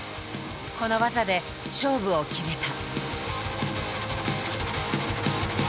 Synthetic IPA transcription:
ko̞no̞βazad̪e̞ | ɕo̞ːbɯ̟okʲibʲit̪a

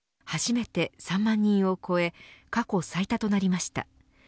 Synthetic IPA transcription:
haʑime̞t̪e̞sãmːãɲ̟ːĩɰ̃o̞ko̞e̞kako̞sait̪at̪o̞naɾʲimaɕi̥t̪a̰

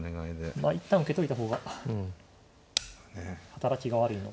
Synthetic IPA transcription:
neɡaid̪emait̪ːãɯ̟ke̞t̪o̞it̪aɦo̞ːɡa | nehat̪aɾakʲiɡaβaɾɯ̟ino

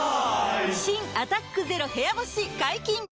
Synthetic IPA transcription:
ɕĩŋat̪akːɯ̟ze̞ɾo̞he̞jaboɕiɡaikʲĩŋ

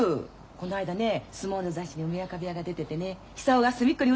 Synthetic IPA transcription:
ko̞noaid̪ane̞sɨmoːɾd̪ozaɕiɲ̟iomʲiakabʲiaɡad̪e̞t̪e̞t̪e̞ne̞ | çi̥saoɡasɨmʲikːɯɾʲiɯ

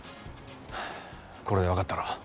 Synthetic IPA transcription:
ko̞ɾe̞d̪eakat̪ːaɾo

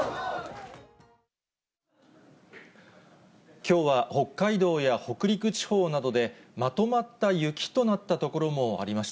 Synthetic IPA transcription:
kʲo̞ːβaho̞kːaid̪o̞ːjaho̞kɯ̟ɾʲikɯ̟t͡ɕi̥ho̞ːnad̪o̞d̪e̞mat̪o̞mat̪ːajɯ̟kʲi̥t̪o̞nat̪ːat̪o̞ko̞ɾo̞mo̞a̰ɾʲimaɕi̥

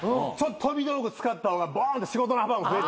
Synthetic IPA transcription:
ɯ̃ːt͡ɕot̪ːot̪ʰobʲid̪oɾokɯt͡sɨ̥kat̪ːahoːɡabaːnt̪oɕiɡo̞t̪onohabamose

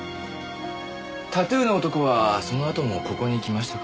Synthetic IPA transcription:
t̪at̪ɯːnoot̪o̞koβaso̞no̞at̪o̞mo̞ko̞ko̞ɲ̟iːkʲimaɕi̥t̪a

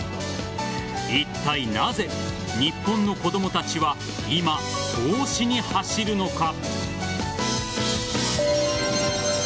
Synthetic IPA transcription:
it̪ːainaze̞ | ɲipːõ̞nːo̞ko̞d̪o̞mo̞t̪at͡ɕiβa | imad̪̥oːɕiɲ̟ihaɕiɾɯ̟no̞ka

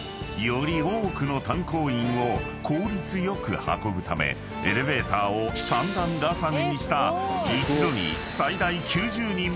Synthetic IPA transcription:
jo̞ɾʲioːkɯ̟no̞t̪ãŋko̞ːĩɰ̃o̞ | kʰo̞ːɾʲit͡sɨjo̞kɯ̟ha̰ko̞bɯ̟t̪amḛ | eɾe̞be̞ːt̪aːosãnd̪ãŋɡ̪asaɡeɲ̟iɕi̥t̪ait͡ɕid̪o̞ɲ̟ḭsaid̪aikʲʰɨːʑɨːɲĩ

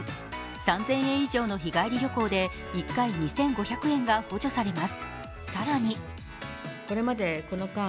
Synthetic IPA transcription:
sãnzẽ̞ɰ̃ẽ̞ɰ̃iʑo̞ːno̞çiɡaiɾʲiɾʲjo̞ko̞ːd̪e̞ | ikːaiɲ̟isẽ̞ŋɡo̞çakɯ̟ẽ̞ŋɡaɸoːʑo̞saɾe̞masɨ̥ | saɾaɲ̟i | ko̞ɾe̞mad̪e̞ko̞nokã

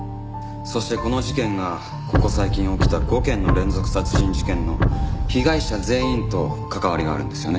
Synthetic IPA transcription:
so̞ɕi̥t̪e̞ko̞no̞ʑikẽ̞ŋɡa | ko̞ko̞saikʲĩɰ̃o̞kʲi̥t̪aɡo̞ːkẽ̞nːo̞ɾẽ̞nd͡zo̞kɯ̟̥sat͡sɨ̥ɕĩɲ̟d͡ʑikẽ̞nːo̞çiɡaiɕaze̞ːĩnt̪o̞kakaβaɾʲiɡa̰ːɾɯ̟̃nd̪e̞sɨjone

